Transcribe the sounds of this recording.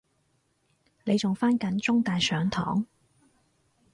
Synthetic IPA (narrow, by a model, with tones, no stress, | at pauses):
ne˨˧jt͡sʊ˨˩ŋfaː˥nkɐ˨˥nt͡sʊ˥ŋt̪aː˨jsœː˨˧˥ŋt̪ʰɔ̰ː˨˥ŋ